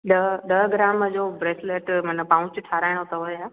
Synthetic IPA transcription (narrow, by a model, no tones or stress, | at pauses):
ɗɐɗ̪ɐɦɡɾaːməd͡ʑoːbɾeːsleːʈmɐnəpãːʊ̃t͡ɕʈʰaːɾaːɪɽ̃ot̪ɐɦoːjaː